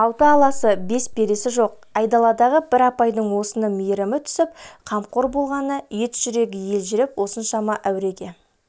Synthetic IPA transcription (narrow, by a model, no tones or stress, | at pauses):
ɑwt̪əːlˠɑsəbe̞sbe̞ɾe̞sɪʒo̞q̚ | ɑjd̪ɑlˠɑd̪ɑʁəbɪɾɑpɑjd̪əɴwo̞sənəmijɾɪmɪt̪ʰʏ̥sɪpqʰɑmqo̞ɾbo̞lˠʁɑnəje̞t̪ʒ̥ʏɾe̞ɡʲɪje̞lʒɪɾɪpwo̞sənʃɑmɑʔæwɾe̞ɡʲe̞